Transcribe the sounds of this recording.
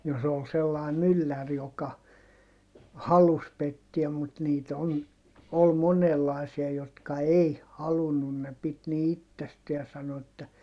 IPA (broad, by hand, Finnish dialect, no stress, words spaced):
jos ol selːɑˑi mylːær jokɑ hɑlus petːiæm mut niːt on ol monelːɑˑi̯siɑ jotkɑ ei hɑlunːun ne pit ni itːesteæ sɑno etːæ